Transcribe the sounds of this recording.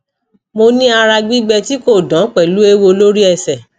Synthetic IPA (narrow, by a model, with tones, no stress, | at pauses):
mo˧nĩ˦a˧ɾa˧ɡ͡bi˦ɡ͡bɛ˧ti˦ko˦˨dã˨˦k͡pɛ˨lu˨˦e˦wo˧lo˦ɾi˦ɛ˦˨sɛ˨